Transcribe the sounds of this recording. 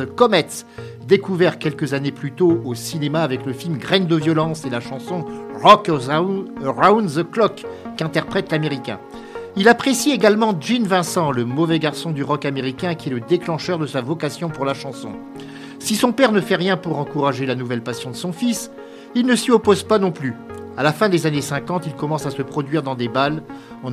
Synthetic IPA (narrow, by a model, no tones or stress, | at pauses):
əkɔmɛt̪s | d̪ekuvɛʁkʲɛlkəzaneplyt̪oosinemaːvɛkləfilmɡʁɛnd̪əvjɔlɑ̃selaʃɑ̃sɔ̃ʁɔk | ʁawnzəklɔkːɛ̃t̪ɛʁpχɛt̪lameʁikʲɛ̰̃ | ilapχesieɡalmɑ̃ʒinvɛ̃sɑ̃ləmɔvɛɡaʁsɔ̃d̪yʁɔkameʁikʲɛ̃kʲiɛləd̪eklɑ̃ʃœʁd̪əsavɔkasjɔ̃puʁlaʃɑ̃sɔ̰̃ | sisɔ̃pɛʁnəfɛʁjɛ̃puʁɑ̃kuʁaʒelanuvɛlpasjɔ̃d̪əsɔ̃fis | ilnəsiɔpozpanɔ̃plyalafɛ̃d̪ezanesɛ̃kɑ̃t̪ilkɔmɑ̃sasəpχɔd̪ɥiʁd̪ɑ̃d̪ebal | ɑ̃